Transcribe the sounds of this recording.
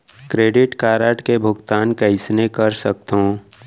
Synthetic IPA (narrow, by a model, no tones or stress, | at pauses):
kɾeːɖɪʈkaːɾəʈkebʱʊɡt̪aːnkəɪsnekəɾsək̚t̪ɦõ